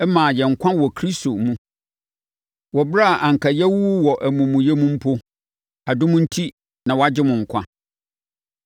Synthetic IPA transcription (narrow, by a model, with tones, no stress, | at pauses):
ɛ˦mãː˨jɛ˨ŋ̩˨kʷʰã˦wɔ˨kʰɾi˦sto˨mũ˦ | wɔ˨ba˦˨ʔã˨ŋ̩˨kʰa˨jɛ˦wu˦wɔ˨ʔæ˨mũ˨mʊ̃˨jɛ˦mũ˦m̩˦pʰo˦ | a˨dʊ̃˦mʊ̃˦n̩˦tʰi˦ | nã˨wɔ˨˦a˨d͡ʑɪ˦mʊ̃˨ŋ̩˨kʷʰã̰˦